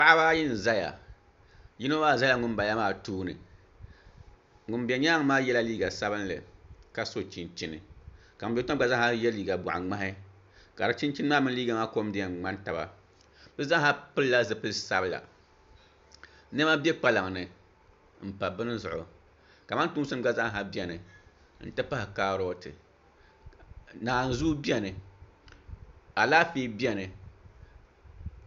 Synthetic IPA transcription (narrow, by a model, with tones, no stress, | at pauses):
pa˦ʔa˦baː˦ji˦n˨za˦ja̰˨ | ji˦no˦maː˦˨za˦la˦ŋʊ˦m˦ba˨ja˦maː˦tuː˦nɨ̰˨ | ŋʊ˨mbɛ˨ɲa˦ŋ˦maː˦jɛ˦la˦liː˦ɡa˨sa˦βɨ˦n˦lɨ̰˨ka˨so˦t͡ʃi˨nt͡ʃi˦nɨ̰˨ | ka˨ŋ˨bʲɛ˨˦ta˦a˨za˦ha˦jɛ˦liː˦ɡa˨bʊ˨ʔa̰˨ŋ͡ma˦ɦɪ˦ | ka˨a˨˦t͡ʃi˦n˦t͡ʃi˦nɨ˦maː˦mɨ˦n˦liː˦ɡa˨ŋa˦ko˦m˦dɨ˦jɛ˨ŋ͡ma˦n˦ta˨ba̰˨ | b̥ɨ˦za˦ŋ˦ha˦pɨ˦lla˦zɨ˨pɨ˦lsa˦bɨ˦la̰˨ | nɛ˦ma˦bʲɛ˦k͡pa˦la˨ŋ˨nɨ˨ | m̩˨pa˨bɨ˦nɨ˦zʊ˨ʔʊ̰˨ | ka˨ma˦n˦tu˦ŋ˦sɨ˦m˦ɡ͡ba˦za˦ŋ˦ɦa˦bi˦ɛ˨nɨ˨ | n̩˨tɨ˦pa˦hɪ˨kaː˦ɾo˦tɨ̰˨ | naː˨n̩˨zu˦bi˦ɛ˦˨nɨ˨ | a˨laː˦fiː˦bi˦ɛ˨nɨ˨